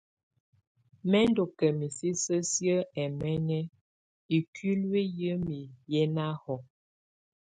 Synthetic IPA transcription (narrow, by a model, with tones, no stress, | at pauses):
mɛ˦n˦do˨kɛ˨mi˨si˦sə˦sjə˦ɛ˨mɛ˦ŋɛ˦ | i˨ki˦lwe˦jə˦mi˨jɛ˦na˦hɔ˨